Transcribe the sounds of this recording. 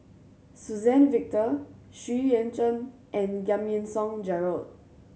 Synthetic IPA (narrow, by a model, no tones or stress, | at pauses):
suzɛ̃nvik̚tə | ʃiɛ̃ntə̃n | ʔɛ̃nɡãmiə̃nsɔ̃ŋd͡ʒɛɹald̚